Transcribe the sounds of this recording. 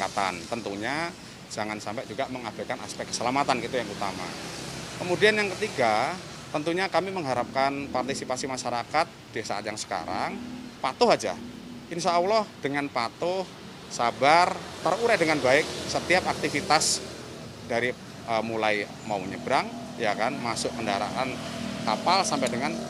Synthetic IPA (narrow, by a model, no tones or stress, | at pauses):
a̰t̪a̰nt̪ənt̪uɲa | d͡ʒaŋansampɛʔd͡ʒuɡaməŋab̥akana̰spɛkːə̥səlamat̪ankit̪ujaŋut̪a̰ma̰kəmudianjaŋkət̪iɡa | t̪ənt̪uɲakamiməŋɦaɾap̚kanpart̪isipasimaʃaɾakat̪̚d̥isaʔat̪jaŋsə̥ka̰ɾa̰ŋpat̪ʊɦad͡ʒa̰ | ʔɪnsaulɔhd̥əŋanpat̪ʊh | sabart̪əruɾɛhdəŋanbaɪk̚sət̪iapak̚t̪ifit̪as | daɾi | əmulaj | mauməɲəbɾaŋ | jakanmasʊʔkəndaɾa̰ʔankapalsampajdəŋan